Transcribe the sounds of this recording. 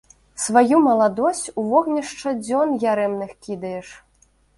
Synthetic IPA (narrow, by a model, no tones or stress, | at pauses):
svajumɐlˠad̪ɔsʲt͡sʲuvɔɣnʲɐʂt͡ʂɐd͡zʲɔnjaɾɛmnɨxkʲid̪ɐjɛʂ